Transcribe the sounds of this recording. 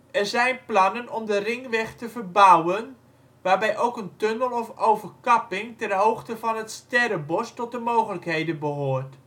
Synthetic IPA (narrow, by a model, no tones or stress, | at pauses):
ɛrzɛjnplɑnənʔɔmdərɪŋʋɛxtəvərbawən | ʋaːrbɛjʔowkəntønəlˠɔfowvərkɑpɪŋtɛnɦowxtəvɑnətstɛɾəbɔstɔt̚dəmoːχələkɦejdənbəɦoːrt